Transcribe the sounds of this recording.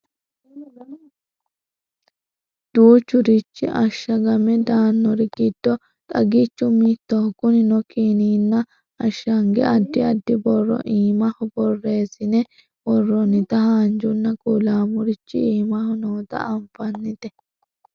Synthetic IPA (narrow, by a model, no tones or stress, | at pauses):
ɐ | d̪̥uːt͡ʃːʊɾɪt͡ʃːɪ̰ʔɐʃːɐɡɐmɛd̪aːnːɔɾɛɡɪd̪̥ːɔ | t̪ʼɐɡɪt͡ʃːʊmit̪ːɔhʊkʊnɪnɔkiːniːnːɐ | ɐʃːɐŋɡɛ̰ɐd̪ːɪɐd̪ːɪbɔrːɔ̰ʔiːmɐhʊbɔrːe̞ːsɪnɛ | bɔrːɔnɪt̪ɐhaːnd͡ʒʊnːɐkʼulaːmʊɾɪt͡ʃːɪ̰iːmɐhʊnoːt̪ɐ̰ɐmpɐnːɪt̪ɛ